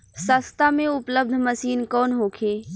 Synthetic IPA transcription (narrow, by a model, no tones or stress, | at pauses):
səst̪ʰamẽʊpləb̚d̪ʱməsiːnkɔːnɦoːkʰeː